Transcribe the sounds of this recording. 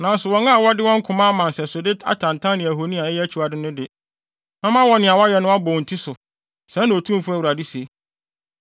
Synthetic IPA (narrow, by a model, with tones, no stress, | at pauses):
nã˨n˦sʊ˨wɔ̃˨˦ŋã˦a˨wɔ˦dɪ˦wɔ̃˦ŋ̩˦kʰʊ̃˨˦mã˦mã˨n˨sɛ˨sʊ˨dɪ˦ta̰˨tʰã˨n˨tʰã˦nɪ̃˨æ˨ɦo˨nĩ˦a˨ɛ˦jɛ˦æ˦t͡ɕʰu˨a˨dɪ˦nʊ̃˦dɪ˨ | nã˦mã˦wɔ˦nɪ̃˨a˨wa˦jɛ˨nʊ̃˦a˦bɔ˨n̩˨tʰi˦sʊ˨ | sɛ̃˨˦ñ˨o˨tʰũ˦m˦fʊ˦æ˦wu˨ɾa˨di˦si˨e˨